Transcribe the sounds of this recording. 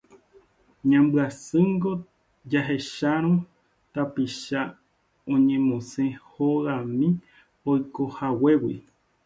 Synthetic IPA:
ɲãmbɨasɨŋɡo̞ | d͡ʒaɦe̞ʃaɾ̃õ | t̪apiʃa | õɲẽmõsẽhoɣãmĩ | ojkohawe̞wḭ

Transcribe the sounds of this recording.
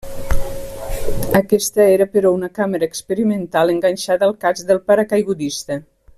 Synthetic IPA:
əkɛst̪əeɾəpəɾɔunəkaməɾəːkspəɾimənt̪aləŋɡaɲʲʃaðəːlˠkazðəlˠpaɾakajɣud̪ist̪ə

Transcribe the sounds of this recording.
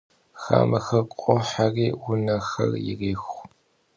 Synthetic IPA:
xaːmɐxɐrqʼɔħariːwʊnɐxɐ̰rjɪ̰riːxʷ

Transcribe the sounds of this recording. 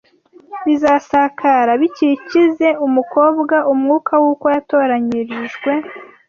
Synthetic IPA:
βizasakʰaɾaβicicize̞umuko̞ːbɡaʔumŋuːkʰawuːkojato̞ːɾaɲiɾiʒɡwe̞

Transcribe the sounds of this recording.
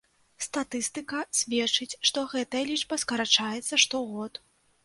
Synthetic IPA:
st̪at̪ɨst̪ɨkɐsʲvʲɛt͡ʂɨt͡sʲʂt̪ɔɣɛt̪ɐjɐlʲit͡ʂbɐskɐɾat͡ʂajɛt̪sɐʂt̪ɔɣɔt̪

